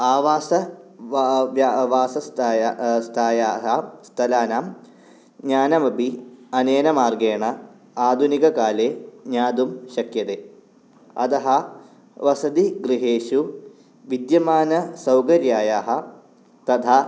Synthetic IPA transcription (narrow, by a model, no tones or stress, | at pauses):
aːʋaːsɐ | ʋaːsɐst̪ːst̪ʰaːjaːɦɐst̪ʰɐlaːnaːm | ɲaːnɐmɐbʱiɐneːnɐmaːrɡeːɳɐ | aːd̪ʱunikɐkaːleːɲaːd̪umʃɐkʰjɐt̪eː | ɐ̰d̪ɐɦɐ | ʋɐsɐd̪iɡɾiɦeːʃu | ʋid̪jɐmaːnɐsɐwkɐɾjaːjaːɦɐ | t̪ɐd̪ʰʱa